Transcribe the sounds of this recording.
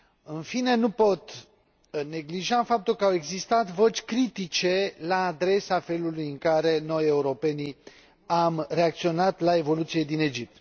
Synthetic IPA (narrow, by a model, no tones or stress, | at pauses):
ɨnfine̞nupo̞t̪ | ne̞ɡliʒafap̚t̪ulkəawe̞ɡzist̪at̪vo̞t͡ʃʲkɾit̪it͡ʃe̞laːd̪ɾe̞safe̞lulujɨŋkaɾe̞no̞jeuɾo̞pe̞ni | amre̞akt̪sio̞nat̪lae̞vo̞lut̪sie̞d̪ine̞d͡ʒip̚t̪